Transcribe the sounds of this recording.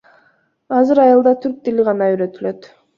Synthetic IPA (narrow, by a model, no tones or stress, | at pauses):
ɑzɯɾɑjɑlˠd̪ɑt̪ʰyɾk̚t̪iliʁɑnɑyɾø̞t̪ylø̞t̪